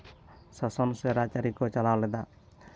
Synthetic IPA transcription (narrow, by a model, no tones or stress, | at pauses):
sɔsɔnseɾat͡ʃaɾikot͡ʃalaːwled̪a